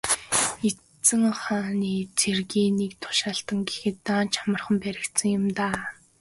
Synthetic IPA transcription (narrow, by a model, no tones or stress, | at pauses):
e | t͡sɘ̆ŋχaːniːt͡sʰerɣiːnek̚t̪ʰʊ̥ʃaːɬt̪ə̆ŋɡexɘ̆t̪ːaːnt͡ɕʰamə̆rχə̆mpæɾʲɪ̆kt̪sə̆ŋjʊ̆mt̪aː